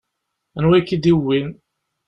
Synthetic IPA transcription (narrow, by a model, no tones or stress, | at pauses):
ənwækːid̪iwin